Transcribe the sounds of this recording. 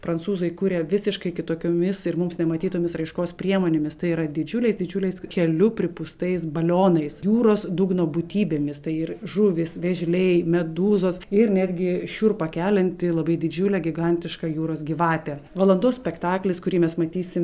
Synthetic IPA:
pɾɐnt̪suːzɐɪkuːɾʲeːʋʲɪsʲɪʃkɐɪkʲɪt̪oːkʲoːmʲɪsɪrmʊmsnʲɛmɐt̪ʲiːt̪oːmʲɪsɾɐɪʃkoːspʲɾʲiɛmoːnʲeːmʲɪst̪ɐɪiːɾɐd̪ʲɪd͡ʒʲʊlʲɛɪsd̪ʲɪd͡ʒʲʊlʲɛɪskʲɛlʲʊpʲɾʲɪpʊst̪ɐɪs̬bɐlʲoːnɐɪsjuːɾoːsd̪uɡnoːbʊt̪ʲiːbʲeːmʲɪst̪ɐɪɪrʒʊʋʲɪsʋʲɛʒʲlʲɛɪmʲɛd̪uːzoːsɪrnʲæːd̪ʲɡʲɪʃʲuːrpɐkʲæːlʲɛnʲt̪ʲɪlˠɐbɐɪd̪ʲɪd͡ʒʲʊlʲɛɡʲɪɡɐnʲt̪ʲɪʃkɐjuːɾoːsɡʲɪʋɑːt̪ʲeːʋɐlˠɐnd̪oːssʲpʲɛkt̪ɑːklʲɪskʊɾʲiːmʲɛsmɐt̪ʲiːsʲɪm

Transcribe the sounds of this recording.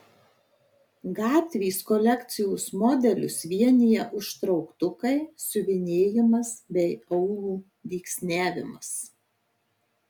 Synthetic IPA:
ɡɑːt̪ʲʋʲiːskɔlʲɛkt̪sʲɪjuːsmɔːd̪ʲɛlʲʊ̰sʋʲiɛnʲɪjɛʔʊʃt̪ɾɒʊkt̪ʊkɐɪsʊʋʲɪnʲeːjɪmɐsbʲɛɪɐʊlˠuː | ʋʲiːksʲnʲæːʋʲɪ̰mɐs

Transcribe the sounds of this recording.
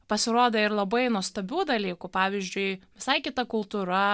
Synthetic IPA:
pɐsʲɪɾoːd̪ɐɪɾlˠɐbɐɪnuɔst̪ɐbʲuːd̪ɐlʲiːkʊpɑːʋʲɪzʲd͡ʒʲʊɪʋʲɪsɐɪkʲɪt̪ɐkʊlˠt̪uːɾɐ

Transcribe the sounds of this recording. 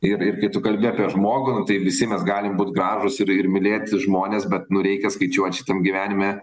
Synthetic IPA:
ɪrɪrkɐɪt̪ʊkɐlʲbʲɪɐpʲiɛʒmoːɡʊnʊt̪ɐɪʋʲɪsʲɪmʲɛsɡɑːlʲɪmbuːt̪ʲɡrɑːʒʊsɪɾɪrmʲɪlʲeːt̪ʲʒmoːnʲeːsbʲɛt̪nʊɾʲɛɪkʲɛskɐɪt͡ʃʲuɔt̪ʲʃʲɪ̥t̪ʲɛmɡʲɪʋʲæːnʲɪmʲɛ

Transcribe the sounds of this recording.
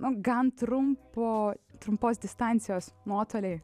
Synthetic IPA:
nʊɡɐnt̪ɾʊmpoːt̪ɾʊmpoːsd̪ʲɪst̪ɑnʲtsʲɪjoːsnuɔt̪oːlʲeɪ

